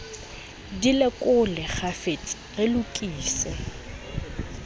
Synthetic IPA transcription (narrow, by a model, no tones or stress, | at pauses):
dilɪkʼʊlɪχʰafet͡sʼ | relʊkʼiːsɪ̰